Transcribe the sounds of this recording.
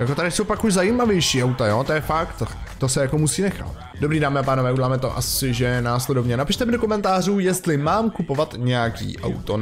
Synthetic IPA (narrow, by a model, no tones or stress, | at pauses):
jako̞t̪adɪsowpakuʒzajiːmavjɛjʃiːʔawt̪ajo̞ːt̪ojɛfakt̪t̪o̞sɛjako̞musiːnɛxa̰t̪ | do̞bɾiːdaːmɪapaːnovɛːuɟɛlaːmɛt̪o̞̰ʔa̰sɪʒɛnaːslɛdo̞vɲɛnapɪʃt̪ɛmɪdokomɛnt̪aːr̝uːjɛst̪lɪmaːmkupo̞vat̪ɲɛjakḭːʔa̰wt̪o